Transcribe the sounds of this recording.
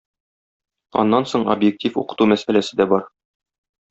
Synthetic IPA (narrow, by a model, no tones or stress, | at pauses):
ɒ̰nːɑnsoɴo̰bjek̚tʲifṵqɤ̥̆t̪umæsælæsɘd̪æbɒɾ